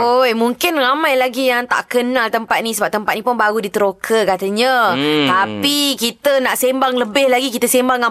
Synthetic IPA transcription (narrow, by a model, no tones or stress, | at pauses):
ojmũŋkɪnramãjlaɡijaŋt̪a̰ʔkənalt̪əmpat̪̚nĩsəbap̚t̪əmpat̪̚nĩpʊnbaɾudit̪əɾokʰəkat̪əɲãt̪apikit̪ənaʔsembaŋləbɪhlaɡikit̪əsembaŋa